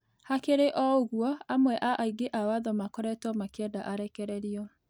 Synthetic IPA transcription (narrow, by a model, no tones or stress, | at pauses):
hakeɾeʔɔoɣwɔamwɛʔaʔaiɡeʔawaðɔmakɔɾɛtɔmakɛdaʔaɾɛkɛɾɛɾiɔ